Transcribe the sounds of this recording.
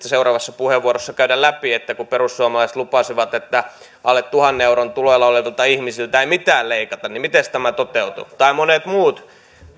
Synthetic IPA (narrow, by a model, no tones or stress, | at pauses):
æseurɑːʋɑsːɑpuheʋːuorosːɑkæyɾællæpiet̪ːækuperussuɑmɑlɑisĕ̥t̪lupɑˑsiʋɑt̪et̪ːæ | ɑlːet̪t̪uhɑnːeeuɾont̪uloelːɑolelt̪ɑihmisilt̪æeimit̪æːlleikɑt̪ɑnnimit̪est̪æmæt̪ot̪eut̪ṵt̪ɑimonet̪muːt̪